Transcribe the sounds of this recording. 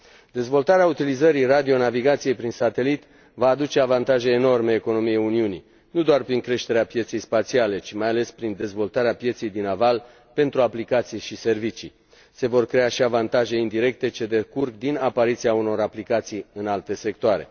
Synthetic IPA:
d̪e̞zvo̞lt̪aɾeaut̪ilizəɾirad̪io̞naviɡat̪sijejpɾinsat̪e̞lit̪ | vaːd̪ut͡ʃe̞avant̪aʒe̞ːno̞rmeːko̞no̞mijeuniuni | nud̪oarpɾiŋkɾe̞ʃt̪e̞ɾeapje̞t̪se̞jspat̪siale̞t͡ʃimajale̞spɾind̪e̞zvo̞lt̪aɾeapje̞t̪sejd̪inaval | pe̞nt̪ɾuaplikat̪sijʃise̞rvit͡ʃi | se̞vo̞rkɾe̞aʃiavant̪aʒe̞ind̪iɾe̞k̚t̪e̞t͡ʃe̞d̪ekurkd̪inapaɾit̪siauno̞ɾaplikat̪sijɨnalt̪e̞se̞k̚t̪oaɾe̞̰

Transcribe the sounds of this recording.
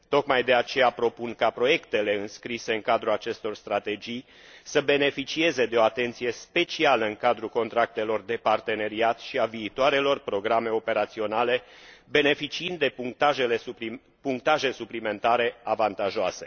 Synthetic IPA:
t̪o̞kmajd̪e̞at͡ʃe̞japɾo̞punkapɾo̞je̞kt̪e̞le̞ɨnskɾise̞ɨŋkad̪ɾuat͡ʃe̞st̪o̞rst̪ɾat̪e̞d͡ʒij | səbe̞ne̞fit͡ʃie̞ze̞d̪e̞o̞at̪e̞nt̪sije̞spe̞t͡ʃialəɨŋkad̪ɾuko̞nt̪ɾak̚t̪e̞lo̞rd̪e̞part̪e̞ne̞ɾiat̪ʃiaviːt̪oaɾe̞lo̞rpɾo̞ɡɾame̞o̞pe̞ɾat̪sio̞nale̞be̞ne̞fit͡ʃiɨnd̪ːe̞puŋt̪aʒe̞le | puŋk̚t̪aʒe̞suplime̞nt̪aɾe̞avant̪aʒoase̞̥

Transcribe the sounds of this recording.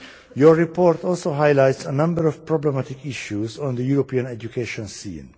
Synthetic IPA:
jɔɹɹipʰɔɹt̪ɔlsoɦajlajtsənʌ̃mbəɹɔv̥pɹɔblɛmatɪkiʃuzɔ̃nd̪əjuɾopiãnɛd͡ʒukʰeʃɔ̃nsḭ̃ːn

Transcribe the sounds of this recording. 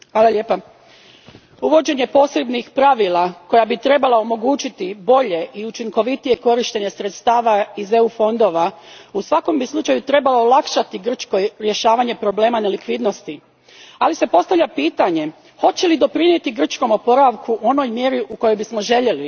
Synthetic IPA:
xʋaːlˠale̞ːpa | uʋo̞d͡ʑe̞ɲe̞po̞se̞bnixpɾaʋilako̞jabit̪ɾe̞balaomo̞ɡuːt͡ʃit̪ibo̞ʎe̞ʔiut͡ʃiŋko̞ʋit̪ije̞ko̞ɾiʃt̪e̞ɲe̞sɾet̪st̪aːʋaize̞ufo̞nd̪o̞ʋausʋako̞mbislˠut͡ʃajut̪ɾe̞baloolˠakʃat̪iɡr̩t͡ʃko̞jɾje̞ʃaːʋaɲe̞pɾo̞ble̞ːmanelikʋid̪no̞st̪i | alise̞po̞st̪aʋʎʲapiːt̪aɲe̞ | ho̞t͡ɕelid̪o̞pɾinje̞t̪iɡr̩t͡ʃko̞mo̞po̞ɾaʋkuʔo̞no̞jmje̞ɾiʔuko̞jo̞jbismo̞ʒe̞ʎe̞li

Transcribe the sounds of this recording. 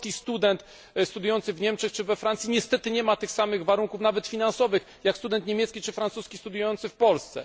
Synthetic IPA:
kʲist̪ud̪ɛnt̪ | st̪ud̪jujɔnt̪sɘvɲɛmt͡ʂɛxt͡ʂɘvɛfɾant̪sʲjiɲɛst̪ɛt̪ɘɲɛmat̪ɘxsamɘɣvaɾuŋkufnavɛt̪fʲinansɔvɘx | jakst̪ud̪ɛnt̪ɲemʲjɛt̪skʲit͡ʂɘfɾant̪suskʲist̪ud̪jujɔnt̪sɘfpɔlst̪sɛ̰

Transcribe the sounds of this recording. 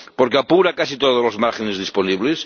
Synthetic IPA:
poɾkeapuɾakasit̪oðozlozmaɾxenezðisponiβles

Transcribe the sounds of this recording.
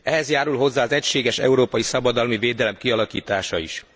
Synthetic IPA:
ɛɦɛzjaːɾulɦo̞zːaːɒzɛcʃeːɡɛʃɛ̰uɾoːpɒjisɒbɒd̪ɒlmiveːd̪ɛlɛmkiɒlɒkḭːt̪aːʃɒḭʃ

